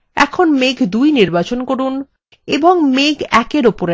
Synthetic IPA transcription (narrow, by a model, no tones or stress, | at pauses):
ɛ̰kʰonmeɡʱd̪ujniɾbat͡ɕonkoɾun | eboŋmeɡɛkeɾopoɾe